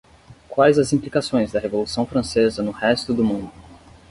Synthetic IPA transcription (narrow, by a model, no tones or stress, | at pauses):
kwajzɐzĩplikasõj̃zd̪ɐɦevolusɐ̃w̃fɾɐ̃sezɐnʊhɛst̪ʊd̪ʊmũd̪ʊ